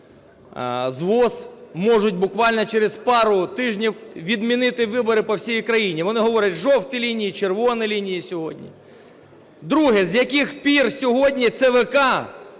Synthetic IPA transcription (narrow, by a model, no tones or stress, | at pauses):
zʋɔsmɔʒʊt̚ʲbʊkʋɑlʲnɔt͡ʃeɾezpɑɾʊt̪ɪʒnʲiwʋʲid̪mʲinɪt̪ɪʋɪbɔɾɪpɔwsʲijikɾɐjinʲiʋɔnɪɦɔʋɔɾʲɐtʲʒɔwt̪ɪlʲinʲijit͡ʃerʋɔnɛlʲinʲijisʲɔɦɔdʲnʲḭ | d̪ɾuɦɛzʲjɐkixpʲirsʲɔɦɔdʲnʲit̪sɛʋekɑ